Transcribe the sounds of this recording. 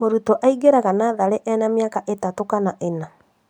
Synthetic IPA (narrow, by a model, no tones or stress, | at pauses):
moɾutɔʔaiɡeɾaɣanaðaɾeʔɛnamjakaʔetatokanaʔena